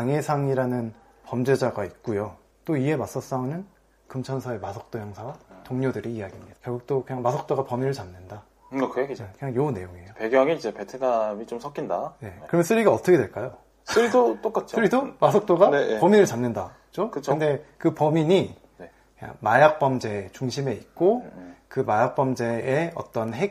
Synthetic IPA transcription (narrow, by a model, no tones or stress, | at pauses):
aŋe̞sʰaŋiɾanɯn | pʌmd͡ʑe̞d͡ʑaɡait̚k͈ujo | t͈oie̞mas͈ʌs͈aonɯn | kɯmt͡ɕʰʌnsʰʌe̞masʰʌk̚t͈ojʌŋsʰatoŋɲodɯɾiːjaɡimɲid̥ḁkjʌɭɡuk̚t͈okɯɲaŋmasʰʌk̚t͈oɡapʌminɯɭt͡ɕamnɯnda | ʌkʰeknekɯɲaŋjonːe̞joŋiejopeɡjʌŋiid͡ʑepetʰenamit͡ɕomsʰʌk͈indane̞kɯɾʌmʌnsʰɯɾiɡaʌt͈ʌkʰdwe̞ɭk͈ajo | s͈ʰɯɾidot͈ok͈at͡ɕisɯɾidomas̬ʰʌk̚t͈oɡanejpʌminɯɭt͡ɕamnːɯnda | t͡ɕokɯt͡ɕʰɯnde̞kɯpʌmiɲi | ne | kkɯɲa̰ŋmajak̚p͈ʌmd͡ʑe̞t͡ɕuŋɕʰime̞it̚k͈okɯmajak̚p͈ʌmd͡ʑe̞eʌ̰t͈ʌnɦek̚